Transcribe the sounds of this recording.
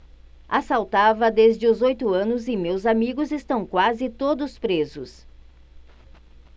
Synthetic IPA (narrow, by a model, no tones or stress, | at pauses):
asawt̪avɐd̪ezd͡ʒɪʊzojt̪ʊɐ̃nʊzɪmewzamiɡʊzɪst̪ɐ̃w̃kwazɪt̪od̪ʊspɾezʊs